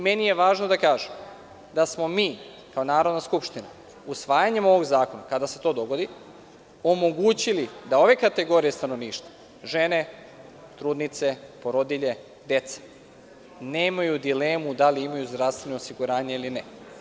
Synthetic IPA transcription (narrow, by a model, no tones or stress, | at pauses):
menije̞ʋaːʒno̞d̪akaːʒem | d̪asmo̞miː | kaonaːɾo̞d̪naskupʃt̪ina | usʋaːjaɲe̞mo̞ʋo̞ɡzaːko̞nakad̪ase̞t̪o̞ːd̪o̞ɡo̞d̪i | o̞mo̞ɡuːt͡ɕilid̪ao̞ʋe̞kat̪e̞ɡo̞ɾije̞st̪ano̞ʋniːʃt̪va | ʒe̞ne̞ | t̪ɾuːd̪nit̪se̞poɾod̪iʎe | d̪e̞t̪se̥ | ne̞ːmajud̪ileːmud̪aliimajuzd̪ɾast̪vʋe̞noːsiɡuɾaːɲeiline